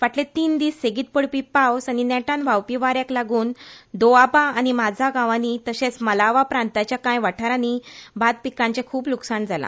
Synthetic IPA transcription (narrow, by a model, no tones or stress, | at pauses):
ʋaʈlet̪iːnd̪iːsːeɡiːt̪̚pəɽpipawsaninɛʈãnʋawpiʋaɾjaklaɡuːnd̪oabaːnimad͡zʱaɡãʋanit̪əɕẽt͡sməlaʋapɾant̪at͡ɕjakãjʋaʈʰaɾanibʱad̪̚pikãɲt͡ɕakʰuːpluksaɳd͡zʱala̰